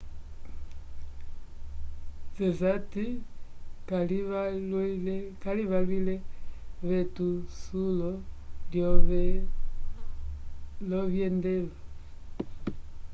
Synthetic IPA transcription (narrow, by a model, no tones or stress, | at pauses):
zɛzati | kaliβlkaliβalwilɛβɛtusulɔljɔβɛ | lɔβjɛndɛla